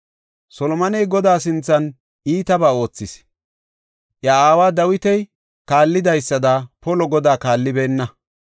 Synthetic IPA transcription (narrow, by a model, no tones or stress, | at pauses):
sɔlɔmɐnɛjɡɔd̪aːs̬ɪnt͡sːɐn | ʔiːt̪ɐbaːo̞ːt͡sːɪs | ʔjɐaːwaːd̪ɐwɪt̪ɛj | kaːlːɪd̪ɐjsːɐd̪ɐpɔlɔɡɔd̪aːkaːlːɪbeːnːɐ